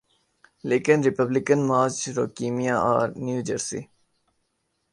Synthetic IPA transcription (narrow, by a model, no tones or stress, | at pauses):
leːkɪ̃nɾɪpəblɪkə̃nmaːɾt͡ʃɾoːkiːmijaa̰ːɾnjuːd͡ʒəɾsḭ